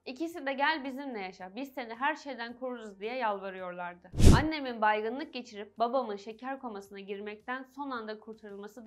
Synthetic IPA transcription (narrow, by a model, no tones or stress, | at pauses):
icʰisid̪ɛɟælʲbizimlʲɛjaʃabizt̪ʰeniɦæɾʃe̞jd̪ænkʰuɾd̪uzd̪ijɛjalˠvaɾɯjo̞ɾlˠaɾd̪ɯanːe̞minbajɡɯnlˠɯk̚ɟe̞t͡ʃʰiɾip̚babamɯnʃe̞cʰæɾkʰo̞masɯnaɟiɾmɛc̚t̪ʰænso̞nand̪akʰuɾt̪ʰaɾulˠmasɯd̪